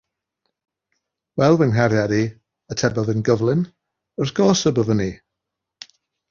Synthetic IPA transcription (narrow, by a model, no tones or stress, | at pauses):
wɛlˠwɪnɦaɾjadi | ətʰɛbəðənɡəvlˠɪn | ərɡ̥ɔːsəbəvəni